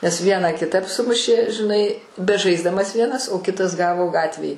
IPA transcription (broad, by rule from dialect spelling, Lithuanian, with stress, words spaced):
nʲɛs ˈʋʲiɛnɑː kʲɪˈtɐp ˈsʊmʊʃʲeː ʒʲɪˈnɐɪ bʲɛˈʒɐɪzdɐmɐs ˈʋʲiɛnɐs oː ˈkʲɪtɐs ˈɡɑːʋoː ˈɡɑːtʲʋʲeːj